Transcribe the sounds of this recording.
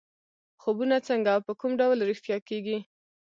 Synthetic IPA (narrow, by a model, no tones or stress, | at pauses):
xobunat͡səŋɡawpəkumɖawlɾɪfjɑkeɡi